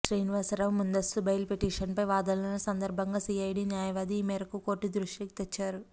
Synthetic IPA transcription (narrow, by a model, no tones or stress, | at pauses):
ʈɾeːnʋɐsɐɾɐʋmund̪ɐst̪ubɐjlpeʈiːʂɐnpɐjʋaːd̪ɐlɐnɐsɐnd̪ɐɾbʱɐŋɡaːsiːɐjɖiːnjaːjɐʋaːd̪iːmɛːɾɐkukoːʈːid̪ɾuʂɐki̥t̪et͡ʃːaːɾu